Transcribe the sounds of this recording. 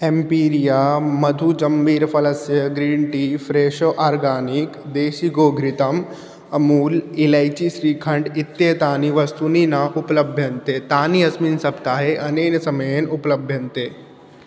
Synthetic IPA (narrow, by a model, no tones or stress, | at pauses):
ẽmpiːɾijaːmɐd̪ʱud͡ʒɐmbiːɾfʰɐlɐsjəɡɾiːɳʈiːfɾeːʃoʔaːɾɡaːnikd̪eːʃiɡoːɡʱɾit̪ɐm | ɐmuːlilajt͡ɕisɾiːkʰɐ̃ɳɖit̪ːeːt̪aːniʋɐst̪uninaʔuplɐbʱjɐnt̪et̪aːniɐsminsɐbt̪aːɦeʔɐneːnsɐmɐjenupləbʱjɐnt̪eː